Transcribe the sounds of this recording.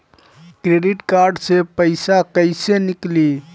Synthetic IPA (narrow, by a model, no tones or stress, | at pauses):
kɾeɖiʈkaɾɖsepəɪsakəɪsenikli